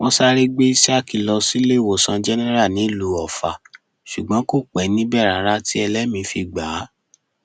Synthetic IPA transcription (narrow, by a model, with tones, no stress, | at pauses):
wɔ̃˦sa˧ɾe˦ɡ͡be˦i˦sa˦˨ki˨lɔ˧si˦le˦˨wo˨sã˧d͡ʒɛ˦nɛ̃˦ɾa˦˨nĩ˨˦lu˨˦ɔ˨fa˨ | ʃu˨ɡ͡bã˨˦ko˦˨k͡pɛ˨˦nĩ˦bɛ˦˨ɾa˨˦ɾa˧˦ti˦ɛ˧lɛ˨˦mĩ˧fi˧˨ɡ͡ba˨˦